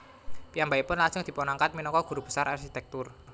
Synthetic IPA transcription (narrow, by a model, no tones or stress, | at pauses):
piambaipʊnlaŋsʊŋd̪̥i̤pɔnaŋkat̪̚minɔŋkɔɡ̥ṳɾub̥ə̥saɾʔarkit̪ɛk̚t̪ʊr